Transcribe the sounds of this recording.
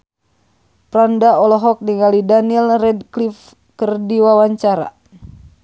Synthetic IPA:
pɾandaɔlɔɦɔk̚niŋɡalidanlrɛd̚klif | kərdiwawaɲt͡ʃaɾa̰

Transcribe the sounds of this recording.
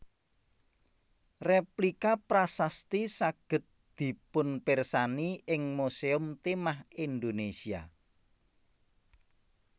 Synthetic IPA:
replikapɾasast̪isaɡ̥ə̤t̪̚ | d̪̥i̤pʊnpɪrsaniʔɪŋmuseʊmt̪emahind̪onesia̰

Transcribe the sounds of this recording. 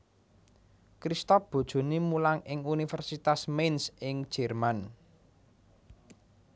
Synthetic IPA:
kɾist̪ɔfb̥o̤d̥ʒ̥o̤nimulaŋɪŋunifɛrsit̪asmensʔɪŋ̥ʒ̥ɛ̤rman

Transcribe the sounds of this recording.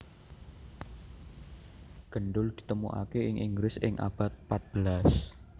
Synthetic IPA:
ɡ̥ə̤ɳɖʊld̪̥i̤t̪əmuʔa̰keɪŋʔiŋɡɾɪsɪ̰ŋʔa̰b̥a̤t̪̚pat̪̚b̥əlas

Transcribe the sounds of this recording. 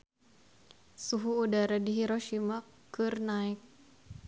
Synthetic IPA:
suɦuːdaɾadiɦiɾɔʃimakɨrnaik̚

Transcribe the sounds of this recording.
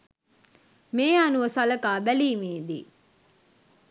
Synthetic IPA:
meːaːnuʋəsɐlɐkaːbæliːmeːd̪ḭ

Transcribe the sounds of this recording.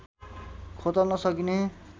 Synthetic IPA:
kʰot̪ʌlnʌsʌkine

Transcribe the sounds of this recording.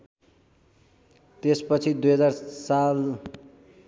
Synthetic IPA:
t̪espʌt͡sʰid̪ujɦʌd͡zarsal

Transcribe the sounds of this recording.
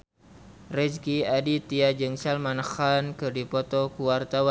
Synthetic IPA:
rɛd͡ʒkiadit̪iad͡ʒɨŋsalmanxankɨrdipɔt̪ɔkuwart̪awan

